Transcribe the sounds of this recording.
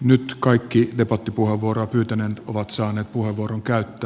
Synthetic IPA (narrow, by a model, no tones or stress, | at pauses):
nyt̪kɑikːidepɑt̪ːipuheʋʋuoɾoɑpyːt̪ænenoʋɑt̪sɑːneːt̪̚puheʋːuoɾoŋkæyt̪ːæː